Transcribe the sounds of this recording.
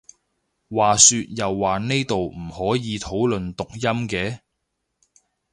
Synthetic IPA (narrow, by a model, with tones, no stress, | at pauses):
waː˨syː˧t̚jɐ˨wːaː˨ne˥jt̪o˨wm̩˨˩hɔː˨˥jiː˨˧t̪ʰo˨˥wlɵ˨nt̪ʊ˨k̚jɐ˥mkɛː˧